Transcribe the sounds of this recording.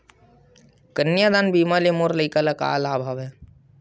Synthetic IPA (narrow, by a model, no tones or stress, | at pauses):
kənjaːd̪aːnbiːmalemoːɾləikalaka̰ːlaːbʱaːʋɦɛː